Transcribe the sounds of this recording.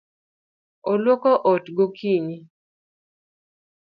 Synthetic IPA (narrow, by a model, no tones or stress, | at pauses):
olwokoʔɔtɡokʰiɲi